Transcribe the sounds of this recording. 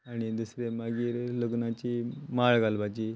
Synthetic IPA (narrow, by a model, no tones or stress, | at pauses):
aɽ̃id̪usɾemaɡiːɾləɡnat͡ɕimaɭɡalbad͡ʑiː